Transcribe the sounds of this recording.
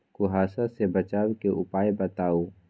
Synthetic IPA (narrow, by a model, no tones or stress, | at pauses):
kʊɦaːsasebət͡ʃaːwkeʔʊpaːjbət̪aːoː